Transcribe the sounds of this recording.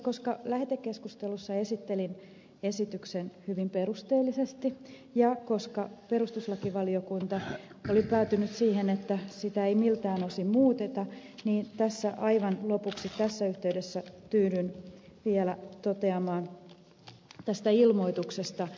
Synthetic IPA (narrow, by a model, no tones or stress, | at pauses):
ko̞skɑlæhĕt̪ekːeskust̪elusːɑe̞sit̪ːelin | esit̪yksenhyʋimperust̪eːlːisest̪i | jɑkoskɑpeɾust̪uslɑkiʋɑliokunt̪ɑolipæːt̪ynyt̪siːhenet̪ːæsit̪æeimilt̪æːnosimmuːt̪et̪ɑ | niːnt̪æsːæʔɑiʋɑnlopuksit̪ːæsːæyht̪eydesːætyːɾynʋielæt̪ot̪eɑmɑːn | t̪æst̪æilmo̞it̪uksest̪ɑ